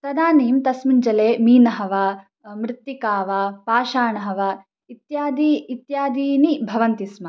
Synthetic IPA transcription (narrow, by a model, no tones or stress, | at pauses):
sɐd̪aːniːmt̪ɐsmiɲd͡ʒɐleːmiːnɐɦɐʋa | mɾɪt̪ːikaːʋapaːʃaːɳɐɦɐʋa | it̪jaːd̪it̪jaːd̪iːnibʱɐʋɐnt̪ismɐ